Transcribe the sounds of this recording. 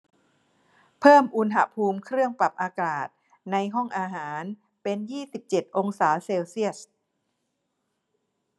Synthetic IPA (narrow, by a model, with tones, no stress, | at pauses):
pʰɤː˥˩mʔu˧nɦa̰˧˩pʰuː˧mkʰɾɯ˥˩əŋpa˨˩p̚ʔaː˧kaː˨˩t̪̚ | na˧jɦɔ˥˩ŋʔaː˧ɦaː˩˦n | pe˧njiː˥˩si˨˩p̚t͡ɕe˨˩t̪̚ʔo˧ŋsaː˩˦seː˧wsi˥˩əs